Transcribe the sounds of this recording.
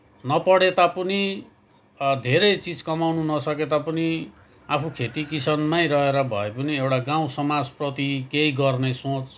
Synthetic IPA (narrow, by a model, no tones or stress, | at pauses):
nʌpʌɽet̪apʌni | d̪ʱeɾʌjt͡sid͡zkʌmawnunʌsʌket̪apʌni | apʰukʰet̪ikisʌnmajɾʌɦeɾʌbʱʌ̰epʌniewʈaɡaw̃sʌmad͡zprʌt̪ikeiɡʌrnesõt͡s